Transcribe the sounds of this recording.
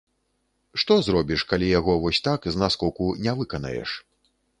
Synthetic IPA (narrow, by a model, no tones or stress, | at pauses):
ʂt̪ɔzrɔbʲiʂkalʲijaɣɔvɔsʲt̪akznaskɔwkunʲɛvɨkɐnɐ̰jɛ̰ʂ